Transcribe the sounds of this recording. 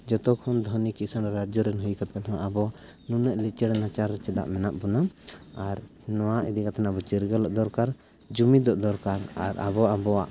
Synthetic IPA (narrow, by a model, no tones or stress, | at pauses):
d͡ʒɔt̪ɔkʰɔnd̪ʱɔnikiʔsənɛɾad͡ʒɔɾɛnɦujkat̪̚kanɔwaʔabɔ | nunɛʔlit͡ʃɛɽɛnat͡ʃaɾt͡ʃɛd̪a̰ʔmɛnaʔbunaaɾ | nɔwaʔid̪ikat̪ʰanabɔt͡ʃiɾɡalɔʔd̪ɔɾkaɾ | d͡ʒumid̪ɔʔd̪ɔɾkaɾa̰ɾa̰bɔʔabɔaʔ